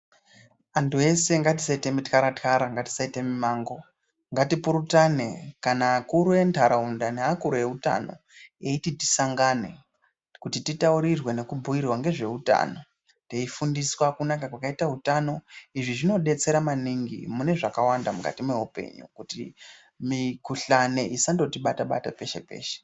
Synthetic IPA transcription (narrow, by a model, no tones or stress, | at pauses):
antue̞se̞ŋɡatisaitemitkaɾatkaɾaŋɡati̥saitemimaːŋɡo̞ | ŋɡatipuɾutanekanaːkuɾuentʰaɾaundaneakuɾue̞uta̰no̞̰ | eititi̥saŋɡane̞̰ | kutititauɾirwe̞ne̞kubʱuirwaŋɡe̞ʐe̞uta̰ːno̞ | teifundiswakunakakwakaitautano̞iʐiʐino̞ɗe̞t͡se̞ɾamaniŋɡḭmune̞ʐakawandamuka̰timwe̞upe̞̰ɲṵkutḭ | mikuɬaneʔisando̞tiɓataɓa̰tape̞ʃe̞̰pḛːʃe̥